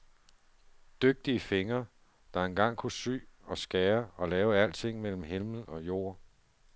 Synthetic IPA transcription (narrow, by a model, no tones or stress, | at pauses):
d̥øɡ̥̚d̥iəfe̝ŋɐ | d̥ɑ̈e̝nɡ̥ɑ̈ŋ̰kʰusy̰ːɒ̽sɡ̥ɛːɐɒ̽lɛːʊəæl̰t͡sʰe̝ŋ̰mel̰m̩ɦelml̩ɒ̽jo̝̰ː